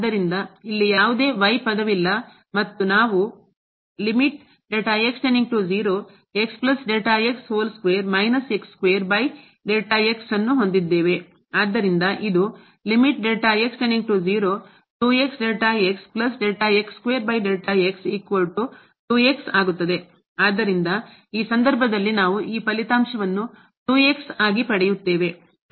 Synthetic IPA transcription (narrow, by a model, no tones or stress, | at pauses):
d̪ːɐɾind̪ɐilːijaːʋud̪e̞ːʋɐjpɐd̪ɐʋilːɐ | mɐt̪ːunaːʋu | limiʈ̚ | ɖeːʈaːekst͡ʃeniŋɡ̚ʈud͡ʒiːɾoː | e̞ksplɐsɖeːʈaːeksɦoːlskʋeːɐɾmɐjnɐsekskʋeːɐɾbɐj | ɖeːʈaeksɐnːuɦo̞nd̪id̪ːe̞ːʋe̞ | aːd̪ːɐɾind̪ɐʔid̪u | limiʈɖeːʈaekseniɡʈud͡ʒiːɾoː | ʈuːe̞ksɖeːʈaːeksplɐs̬ɖeːʈaekskʋeːɾbɐjɖeːlʈaeksiːkʋɐlʈu | ʈuːe̞ksaːɡut̪ːɐd̪e̞ | aːd̪ːɐɾind̪ɐiːsɐnd̪ɐɾbʱɐd̪ɐlːinaːʋuʔiːpɐlit̪aːmʃɐʋɐnːu | ʈuːe̞ksaːɡipɐɽɛjut̪ːe̞ːʋe̞